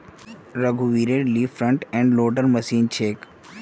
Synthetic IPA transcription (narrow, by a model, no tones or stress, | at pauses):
ɾəɡʱuʋiɾeɾliːfɾə̃ɳʈɛ̃ɳɖloːʈəɾməsiːnt͡ʃʰeːk